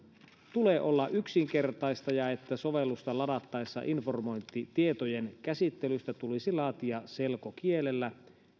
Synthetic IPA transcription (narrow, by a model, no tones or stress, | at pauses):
t̪uleːʔo̞lːɑʔyksiŋke̞rt̪ɑjst̪ɑjɑe̞t̪ːæsoʋelːust̪ɑlɑdɑt̪ːɑesːɑ̰ʔinformo̞jnt̪ːit̪ie̞t̪ojenkæsit̪ːelyst̪æt̪ulisilɑːt̪iɑse̞lkokielelːæ